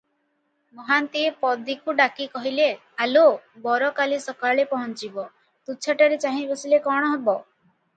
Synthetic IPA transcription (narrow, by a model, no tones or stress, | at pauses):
mɔɦant̪iepɔd̪ikuɖakikɔɦile | alobɔɾɔkalisɔkaɭepɔɦɔnt͡ʃibɔ | t̪ut͡ʃʰaʈaɾet͡ʃaɦĩbɔsilekɔɽ̃ɔɦebɔ